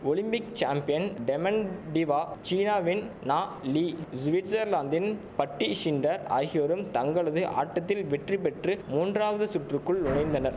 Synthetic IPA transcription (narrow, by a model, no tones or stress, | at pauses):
ɔɭɪmbɪkt͡ʃaːmpɪjɐnɖɛmɐnɖɪʋaːt͡ʃiːnaːʋɪnnaːliːsʋɪʈsɐɾlaːnd̪ɪnpɐʈːiʃɪnɖɐɾa̰ːɣɪjɐɾɯmt̪ɐŋɡɐɭɐðɯʔa̰ːʈːɐt̪ːɪlʋɛʈripɛʈrɯmuːndraːʋɐðɯsʊʈrɯkːɯɭʊɳɐɪnd̪ɐnɐɾ